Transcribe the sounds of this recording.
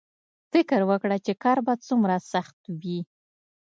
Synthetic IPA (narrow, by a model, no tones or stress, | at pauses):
fɪkəɾwəkɽat͡ʃekɑɾbɑd̪̚t͡sumɾasaxt̪wi